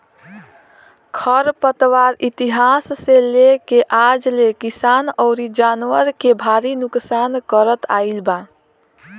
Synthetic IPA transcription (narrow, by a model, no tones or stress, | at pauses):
kʰəɾpət̪ʋaɾit̪iɦasːelekeʔad͡ʒlekisanɔʊɾid͡ʒanwəɾkebʱaɾinuksankəɾət̪ʰa̰ilba